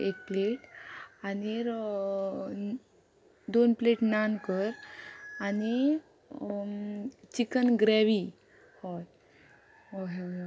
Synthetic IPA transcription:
ek̚pleʈaniɾ | d̪onpleʈnankəɾani | t͡ɕikənɡɾɛʋi | hɔj | ɦɔɦ

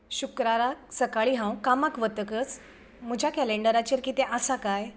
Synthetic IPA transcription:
ɕukɾaɾak̚səkaɭiɦãw̃kamakʋət̪əkət͡s | m̤əd͡ʑʱakɛleɳɖəɾat͡ɕeɾkit̪eʔəsakaj

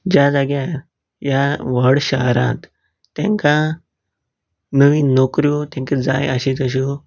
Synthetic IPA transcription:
d͡ʑad͡zaɡja | jaʋəɽɕaɦɾãt̪ː | ɛ̰̃ŋkã | nəʋinokɾjut̪ãŋkid͡za̰jəɕit̪əɕ̬u

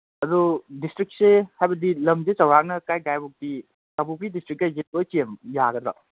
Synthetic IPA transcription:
ɐdudistɾik̚sehajbɐdilɐmzet͡ʃɐwhak̚nɐkajɡajbuk̚di | kabupidistɾik̚ːajzebɐt͡ʃiemjaɡɐdɾa̰

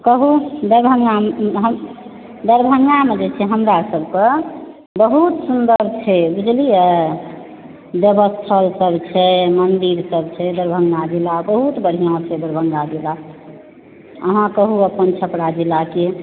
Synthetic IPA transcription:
kəɦud̪əɾbʱəŋɡamɦəm | d̪əɾbʱəŋɡamed͡ʒet͡ʃʰɛɦəmɾasəbkə̃ | bəɦut̪sund̪əɾbt͡ʃʰɛbid͡ʒliə | bjəbəst̪ʰəlsəbt͡ʃʰɛmənd̪iɾsəb̚t͡ʃʰɛd̪əɾbʱəŋɡad͡ʒilabəɦut̪bəɽ̤ijãt͡ʃʰɛd̪əɾbʱəŋɡad͡ʒila | ə̰ɦãkəɦuəpənt͡ʃʰəpɽad͡ʒilake

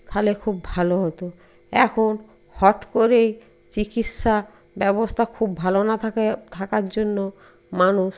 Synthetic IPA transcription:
t̪ʰalekʰubːʱaloɦɔt̪o | ɛkʰon | hɔʈkoɾej | t͡ɕikit̪ʃa | bɛbost̪ʰakʰubːʱalonat̪ʰakaɾd͡ʑonːo | manuʃ

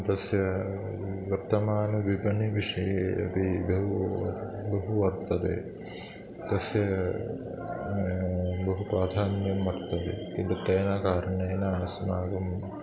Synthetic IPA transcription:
t̪ɐsjɐ | ʋɐɾt̪ɐmaːnɐʋibɐnːiʋiʂɐjeɐ̰bibɐɦu | bɐɦuɐɾt̪ɐd̪ḛ | t̪ɐsjɐ | bɐɦupɾaːd̪ʱaːnjɐmːɐɾt̪ɐd̪ḛkint̪uʈ̪ɐjnakaːɾɐnɐːnasmaːɡɐm

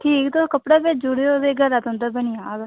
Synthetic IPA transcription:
ʈʰiːkt̪okəpɽaːpɪt͡ʃd͡ʒʊɽeoːd̪eːɡəɾaːt̪ɦʊ̃nd̪aːbənɪjaːɡ

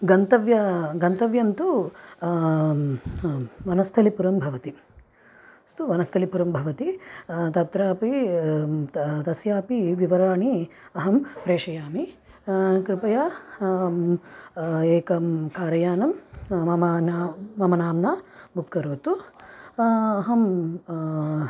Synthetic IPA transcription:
ɡɐnt̪ɐʋjɐɡɐnt̪ɐʋjɐnt̪u | ʋɐnɐst̪ʰɐlipuɾɐmbʱɐʋɐt̪i | st̪uʋɐnɐst̪ʰɐlipuɾɐmbʱɐʋɐt̪it̪ɐt̪ɾaːpi | t̪ɐsjaːpiʋiʋɐɾaːɳiɐɦɐmpɾeːʂɐjaːmi | kɾɪpɐjaː | eːkɐmkaːɾɐjaːnɐmɐmɐnːɐmɐnaːmnaːbʱukkːɐɾoːt̪u | ɐɦɐm

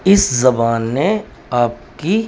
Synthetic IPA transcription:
ɪszɐbaːnːe | aːp̚ki

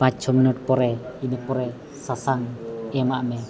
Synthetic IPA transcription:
pat͡ʃɔminɔt̪̚pɔɾɛinəpɔɾɛ | sasaŋɛmaʔmɛ

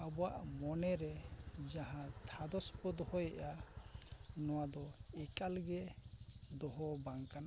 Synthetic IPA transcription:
abɔwa̰ʔmɔnɛɾɛd͡ʒaɦãt̪ʰad̪ɔspɔd̪ɔhɔjɛʔa | nɔwad̪ɔɛkalɡɛ | d̪ɔɦɔbaŋkan

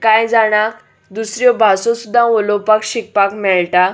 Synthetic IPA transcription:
kajd͡zaɽ̃ak | d̪usɾjɔbʱasɔ̃sud̪ʱːãʋɔlɔpakɕik̚pakmɛɭʈa

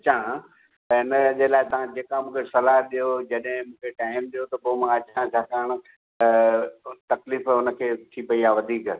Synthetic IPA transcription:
ɐt͡ɕã | t̪ɐɦɪnəd͡ʑelaːɪt̪ɐʋ̤ãd͡ʑeːkãmũːkʰesɐlaːɦɗijod͡ʑɐɗɦɪ̃mũːkʰeʈaːɪmɗijot̪ɐpːmãɐt͡ɕãt͡ɕʰaːkaːɽ̃̆ | t̪ɐkliːfʊnə̆kʰeːt̪ʰipɐiaːʋɐd̪ʱiːkə

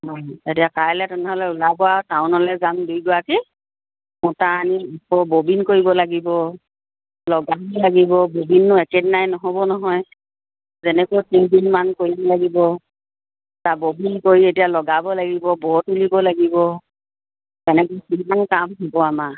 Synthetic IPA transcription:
ɦɔjetiakajlɛtʊnɛɦɔlɛʊlabɔataʊnɔlɛzamdujɡʊwaki | mʊtaaniipɔbobinkoɹibɔlaɡibɔ | lɔɡaɔlaɡibɔbobinːʊɛkedinajnɔɦɔbɔnɔɦɔj | zɛnɛkojtiŋdinmankoɹibɔlaɡibɔ | tabobinkoɹietijalɔɡabɔlaɡibɔbɔɦutulibɔlaɡibɔ | ɛnɛkojtinmankamɦɔbɔama

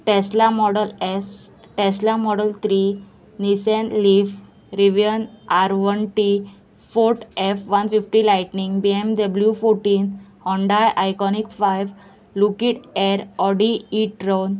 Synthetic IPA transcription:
ʈeslamɔɽəles | ʈeslamɔɽəlt̪ʰɾi | nisenlif | ɾiʋijənaɾʋənʈi | foɾʈefʋənfifʈilajʈniŋɡbiemd̪əbljufoɾʈĩːnt̪ʰ | ɔ̃ɳɖajʔajkɔnikfajʋ | lukiʈɛɾɔɖiːʈɾon

